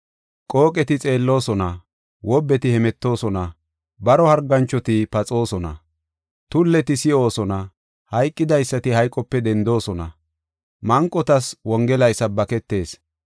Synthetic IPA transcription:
kʼo̞ːkʼɛt̪ɪt͡sʼe̞ːlːo̞ːsɔnɐ | wɔbːɛt̪ɪhɛmɛt̪ːo̞ːsɔnɐ | bɐɾɔhɐɾɡɐnt͡ʃːɔt̪ɪpɐt͡sʼo̞ːsɔnɐ̰ | t̪ʊlːɛt̪ɪsɪʔo̞ːsɔnɐ | hɐjkʼːɪd̪ɐjsːɐt̪ɪhɐjkʼɔpːɛd̪ɛnd̪o̞ːsɔnɐ̰ | mɐŋkʼːɔt̪ɐswɔŋɡɛlɐjsɐbɐkɛt̪ːe̞ːs

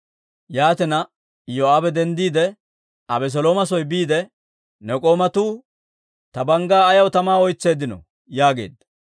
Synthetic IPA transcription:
jaːt̪ɛnɐ | joːaːbɛd̪ɛnd̪iːd̪ɛ | ɐbɛs̬ɔloːmɐs̬ɔjbiːd̪ɛ | nɛkʼo̞ːmɐt̪uː | t̪ɐbɐŋɡaːjɐwt̪ɐmaːɔjt͡sːe̞ːd̪ɪnɔ̰ | jaːɡe̞̰ːd̪ːɐ

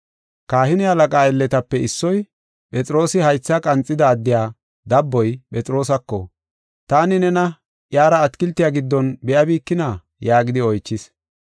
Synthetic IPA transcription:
kaːhɪnɪɐlɐkʼaːɛlːɛt̪ɐpːɛɪsːɔj | pʼɛt͡sʼɪɾo̞ːsɪhɐjt͡sːɐkʼɐnt͡sʼːɪd̪ɐːd̪ːɪjaː | d̪ɐbːɔjpʼɛt͡sʼɪɾo̞ːsɐkːɔ | t̪aːnɪnɛnɐ | ʔjaːɾɐːt̪kɪlt̪ːɪjaːɡɪd̪ːɔnbɛʔɐbiːkːɪna | jaːɡɪd̪ɪɔjt͡ʃːɪs

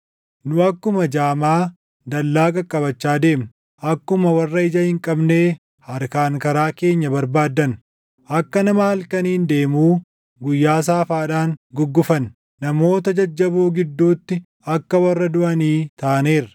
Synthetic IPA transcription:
nʊɐkːʊmɐd͡ʒaːmaː | d̪ɐlːaːkʼɐkʼːɐbɐt͡ʃːaːd̪e̞ːm | ʔɐkːʊmɐwɐrːɐɪd͡ʒɐhɪŋkʼɐbne̞ː | hɐɾkaːŋkɐɾaːke̞ːɲːɐbɐɾbaːd̪ːɐn | ʔɐkːɐnɐmɐɐlkɐniːnd̪e̞ːmuː | ɡʊjːaːs̬aːfaːᶑaːŋɡʊɡːʊfɐn | nɐmo̞ːt̪ɐd͡ʒɐd͡ʒːɐboːɡɪd̪ːuːt̪ːɪ | ɐkːɐwɐrːɐd̪ʊʔɐniːt̪aːneːɾ

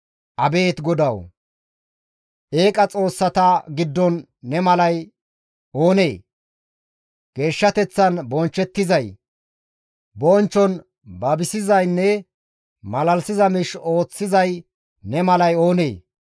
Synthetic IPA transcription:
ʔɐbe̞ːt̪ɡɔd̪ɐw | ʔe̞ːkʼɐt͡sʼo̞ːsːɐt̪aːɡɪd̪ːɔnː | ɛmɐlɐj | ʔo̞ːneː | ɡ̥e̞ːʃːɐt̪ɛt͡sːɐnbɔnt͡ʃːɛt̪ːɪzɐj | bɔnt͡ʃːɔn | bɐbɪsɪzɐjnːɛ | mɐlɐlsɪzɐmɪʃo̞ːt͡sːɪzɐj | nɛmɐlɐjo̞ːnḛː

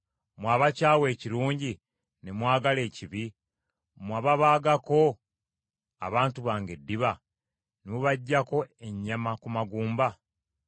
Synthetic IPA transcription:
mwaːβacaːwe̞ːciɾuːɲɟi | nemwaːɡale̞ːciβi | mwaːβaβaːɡako̞ | a̰βaːntuβaːŋɡe̞dːiβa | nemuβaɟːako̞e̞ɲːamakumaɡuːmba

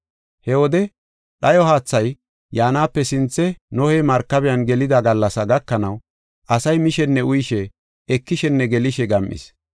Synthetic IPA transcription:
hɛwɔd̪ɛ | ɗɐjɔɦaːt͡sːɐj | jaːnaːpːɛsɪnt͡sːɛnɔhɛjmɐɾkːɐbɛjɐnɡɛlɪd̪ɐɡɐlːɐsɐɡɐkːɐnɐw | ʔɐsɐjmɪʃɛnːɛʊjɪʃɛ | ɛkːɪʃɛnːɛɡɛlɪʃɛɡɐmʔɪ̰s

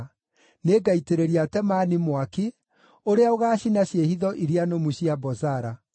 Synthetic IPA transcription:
neɡaiteɾeɾiatɛmanimwaki | oɾeaoɣaːɕinaɕjehiðɔʔiɾianomuɕiabɔzaɾa

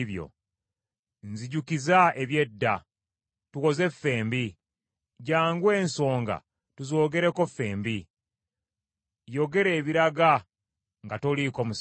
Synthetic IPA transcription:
βjo̰ | nziɟukizaeβje̞dːa | tuko̞ze̞fːe̞ːmbi | ɟaːŋɡwe̞ːnso̞ːŋɡa̰ | tuzo̞ːɡe̞ɾe̞ko̞fːe̞ːmbi | joɡe̞ɾe̞ːβiɾaɡa | ŋɡatolikomus

